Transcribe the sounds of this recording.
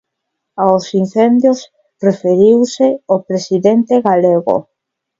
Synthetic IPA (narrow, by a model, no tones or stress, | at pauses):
aosin̟θend̪jos | refeɾiwseopɾesiðent̪eɣaleɣo̰